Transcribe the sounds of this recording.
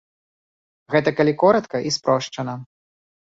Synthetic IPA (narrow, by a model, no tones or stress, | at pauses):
ɣɛt̪ɐkɐlʲikɔɾɐt̪kɐʔispɾɔʂt͡ʂɐnɐ